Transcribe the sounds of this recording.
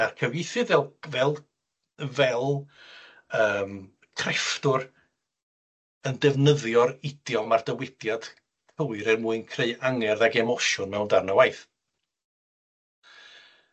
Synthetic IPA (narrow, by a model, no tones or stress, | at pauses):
arkʰəwjɪθɨðvɛlˠvɛlˠ | vɛlˠ | əːm | kʰrɛftʊr | əndɛvnəðjɔɾɪd̥jɔmardəwɪd̥jad̥ | kʰəɨɾɛrmuːɨnkʰreɨaŋɛrðaɡɛmɔʃʊnmɛwndarnawajθ